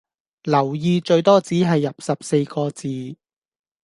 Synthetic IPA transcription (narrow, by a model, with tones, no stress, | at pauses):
lɐ˨˩wjiː˨˧t͡ʃɵ˧ɥt̪ɔː˥t͡siː˨˥ɦɐ˨jːɐ˨p̚sɐ˨p̚se˧jkɔː˧t͡siː˨˧